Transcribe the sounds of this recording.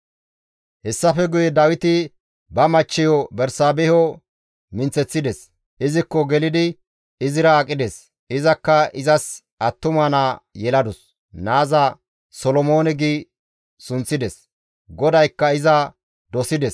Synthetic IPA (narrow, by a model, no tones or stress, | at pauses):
hɛsːɐfɛɡʊjɛd̪ɐwɪt̪ɪ | bɐmɐt͡ʃːɪjɔbɛɾsaːbɛhɔ | mɪnt͡sːɛt͡sːɪd̪ɛs | ʔɪzɪkːɔɡɛlɪd̪ɪ | ɪzɪɾɐːkʼːɪd̪es | ɪzɐkːɐɪzɐs | ɐt̪ːʊmɐnaːjɛlɐd̪ʊs | naːzɐ | sɔlɔmoːnɛɡiː | sʊnt͡sːɪd̪ɛs | ɡɔd̪ɐjkːɐɪzɐ | d̪ɔsɪd̪ɛs